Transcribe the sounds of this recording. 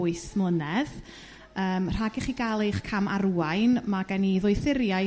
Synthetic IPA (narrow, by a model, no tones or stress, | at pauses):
ʊɨsmlənɛð | əːmr̥aɡɪχiɡalˠejχkʰamaɾuːajnmaɡaniðʊɨθɪɾja